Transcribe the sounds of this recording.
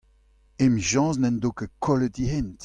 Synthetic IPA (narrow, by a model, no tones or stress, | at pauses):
emʒɑ̃ːznɛ̃ndokəkʰɔlətiɦent